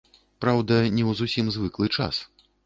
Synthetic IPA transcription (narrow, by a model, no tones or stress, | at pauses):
pɾawd̪ɐnʲɛwzusʲimzvɨklˠɨt͡ʂa̰s